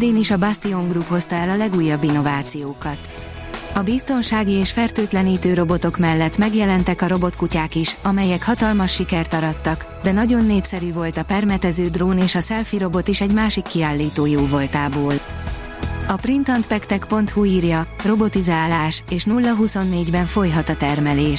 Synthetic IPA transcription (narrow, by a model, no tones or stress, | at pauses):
d̪eːniʃɒbast̪io̞ŋɡrupho̞st̪ɒɛlɒlɛɡuːjːɒbːinːo̞vaːt̪sijoːkɒt̪ | ɒbist̪o̞nʃaːɡieːʃfɛrt̪øːt̪lɛniːt̪øːɾo̞bo̞t̪o̞kmɛlːɛt̪mɛɡjɛlɛn̪t̪ɛkɒɾo̞bo̞t̪kucaːkiʃɒmɛjɛkhɒt̪ɒlmɒʃːikɛrt̪ɒɾɒt̪ːɒk | d̪ɛnɒɟo̞nːeːpsɛɾyːvo̞lt̪ɒpɛrmɛt̪ɛzøːd̪roːneːʃɒsɛlfiɾo̞bo̞t̪iʃɛɟmaːʃikːiaːlːiːt̪oːjoːvo̞lt̪aːboːl | ɒprint̪ɒnt̪pɛkt̪ɛkpo̞nt̪huiːrjɒro̞bo̞t̪izaːlaːʃeːʃnulːɒɦuso̞nːeːɟbɛɱfo̞jɦɒt̪ɒt̪ɛrmɛleːʃ